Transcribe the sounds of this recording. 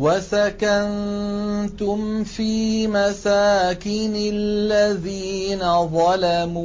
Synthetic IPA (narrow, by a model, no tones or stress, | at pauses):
wasakan | t̪ʊmfiːmasaːkɪnɪllːaðiːnaðˤɑlamuː